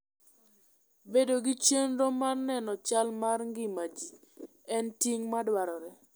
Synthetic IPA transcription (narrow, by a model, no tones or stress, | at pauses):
bedoɡɪt͡ʃenɾomarnɛnɔt͡ʃalmarŋɡɪmat͡ʃi | ɛntiŋmadwaɾɔɾɛ